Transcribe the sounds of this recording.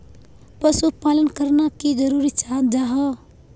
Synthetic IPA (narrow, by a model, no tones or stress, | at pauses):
pəsupalənkəɾnakid͡ʒəɾuɾit͡ʃʰad͡ʒaɦɔ